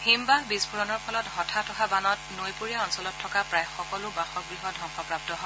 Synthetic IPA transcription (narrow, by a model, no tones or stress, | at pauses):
himbahbisbuɹɔnɔɹpʰɔlɔthɔtʰatʰɔɦabanɔtnojpuɹijaɔnsɔlɔtʰːɔkapɹajxɔkɔlʊbaxɔk̚bɹiɦɔdʱɔŋxɔpɹap̚tɔɦɔ